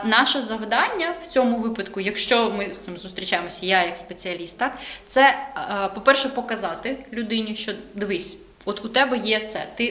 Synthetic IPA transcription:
nɑʃɛzɐwd̪ɑnʲːɐw̥t͡sʲɔmʊʋɪpɐd̪kʊjɐkʃt͡ʃɔmɪst̪ɪmzʊst̪ɾʲit͡ʃajemɔsʲɐjajɐkspet͡sʲiɐlʲist̪ːɑkt̪sɛpɔpɛrʃɛpɔkɐzɑt̪ɪlʲʊd̪ɪnʲiʃt͡ʃɔd̪ʋɪsʲ | ɔt̪ʊt̪ɛbɛjɛt̪sɛ̰t̪ɪ

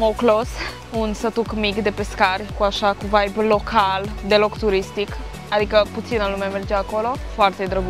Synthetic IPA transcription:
moklos | unsət̪ukmikd̪e̞peskarʲkuaʃakuvajblo̞kʰald̪e̞lo̞kt̪uɾist̪ik | ad̪ikəput̪sinalumemerd͡ʒaako̞lo̞foart̪ed̪ɾəɡu

